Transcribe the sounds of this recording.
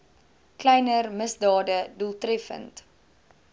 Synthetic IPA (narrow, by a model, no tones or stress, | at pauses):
klɛjnərməsdɑːdədulˠtrɛfə̰nt